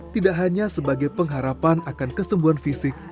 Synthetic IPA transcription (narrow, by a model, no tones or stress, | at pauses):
t̪idaʔɦaɲasəbaɡajpəŋɦaɾapanakankəsəmbuɦanfisɪk̚